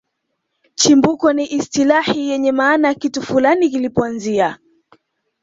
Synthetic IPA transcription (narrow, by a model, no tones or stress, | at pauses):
t͡ʃimbukɔniʔistilahijɛɲɛmaːnakitufulanikilipɔanzia